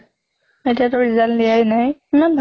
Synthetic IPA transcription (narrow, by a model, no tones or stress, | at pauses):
mɛtʰatɔɹizallijajnajimanbʱ